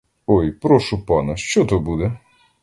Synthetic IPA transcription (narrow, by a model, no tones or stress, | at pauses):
ɔjpɾɔʃʊpɑnɛʃt͡ʃɔt̪ɔbud̪ɛ